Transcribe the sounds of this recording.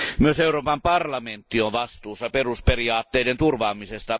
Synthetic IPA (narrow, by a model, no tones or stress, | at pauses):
myøseuroːpɑmpɑrlɑment̪ːioʋʋɑst̪uːsːɑperusperiɑːt̪ːeident̪urʋɑːmisest̪ɑ